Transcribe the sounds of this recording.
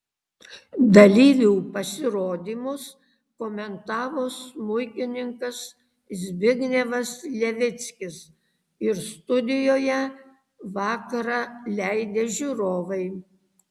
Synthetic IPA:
d̪ɐlʲiːʋʲuːpɐsʲɪɾoːd̪ʲiːmʊs | koːmʲɛnt̪ɑːʋoːsmʊɪkʲɪnʲɪŋkɐs | zʲbʲɪɡnʲeʋɐslʲɛʋʲɪt̪sʲkʲɪs | ɪɾst̪ʊd̪ʲɪjoːjɛ | ʋɑːkɐɾɑːlʲæɪd̪ʲeːʒʲuɾoːʋɐɪ

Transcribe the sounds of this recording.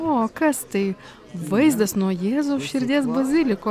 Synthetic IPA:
oːkɐst̪ɐɪ | ʋɐɪzd̪ɐsnuɔjɛːzoːʃʲɪɾʲd̪ʲeɛsbɐzʲɪlʲɪkoː

